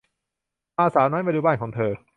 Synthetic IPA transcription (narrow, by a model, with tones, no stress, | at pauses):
ʔaː˧saː˨˩˦wnɔː˦˥jmaː˧duː˧˩baː˧˩nkʰɔː˩˦ŋt̪ʰɤː˧